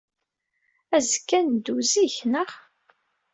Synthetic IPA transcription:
æzkːænd̪uziçnəʁ

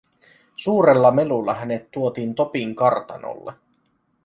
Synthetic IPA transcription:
suːɾelːɑme̞lulːɑɦæne̞t̪ːuo̞t̪iːnt̪o̞piŋkɑrt̪ɑno̰lːe

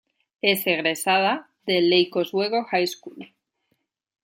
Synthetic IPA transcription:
e̞seɣ̞ɾe̞sað̞a | ðe̞lːejko̞zwe̞ɣo̞xajskul

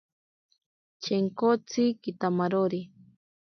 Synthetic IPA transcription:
t͡ʃeŋkot͡sikit̪amaɾoɾi

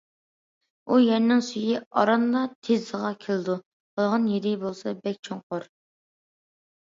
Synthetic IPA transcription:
ujɛɾnɪŋsyjiɑɾɑnlˠɑt̪ʰezəʁɑkʲʰelˠɨd̪u | bʰəlˠʁɑnjeɾɪbolˠsɑbɛk̚ʲt͡ʃʰoɴqʊɾ

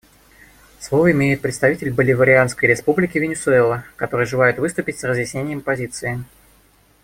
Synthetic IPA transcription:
slˠovəɪmʲejɪt̪̚pɾʲɪt̪st̪ɐvʲitʲɪlʲbəlʲɪvəɾʲɪanskəjɾʲɪspublʲɪkʲɪvʲɪnʲɪsʊɛlˠəkɐt̪o̞ɾɨjʐɨlˠajɪt̪vɨst̪ʊpʲɪtʲsrəzjɪsʲnʲenʲɪjəmpɐzʲit̪sɨɪ

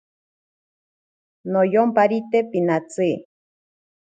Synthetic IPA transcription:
nojompaɾit̪epinat͡sɨ

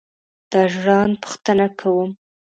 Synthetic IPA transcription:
d̪̥ɑʒɽɑnpu̥xt̪ənakʰawum

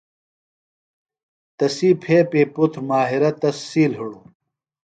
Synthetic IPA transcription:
t̪ɐsiːpʰeːpeːput̪ʰɾmaːɦiɾɐt̪ɐssiːlɦiɽu

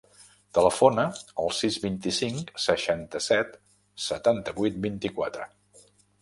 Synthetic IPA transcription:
t̪ələfonəːlˠsizβint̪isiŋksəʃant̪əsɛt̪ | sət̪ant̪əβujt̪̚bint̪ikwat̪ɾə

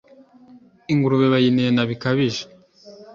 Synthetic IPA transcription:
iŋɡuɾuβeβajinijenaβikaβiʒe̥

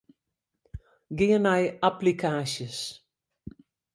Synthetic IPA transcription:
ɡɪənajaplikʰaːsjəs

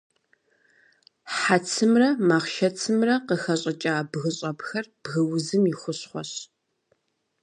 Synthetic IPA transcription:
ħat͡sʰɨmrɐmaːχʃɐt͡sʰɨmrɐqəxɐɕʼɐt͡ʃʼaːbɣɨɕʼɐbxɐrb̥ɣɐwʊzɨmixʷʊɕχʷɔɕ

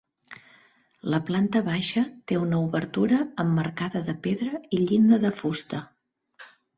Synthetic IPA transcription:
ləplant̪əβaʃət̪eunəuβəɾt̪uɾəːmːərkaðəðəpeðɾəiʎind̪əðəfust̪ə

